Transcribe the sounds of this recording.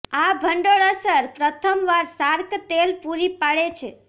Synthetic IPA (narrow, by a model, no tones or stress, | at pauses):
abʱəɳɖoɭəsəɾpɾət̪ʰəmʋaɾsaɾkt̪elpuɾipaɽet͡ʃʰḛ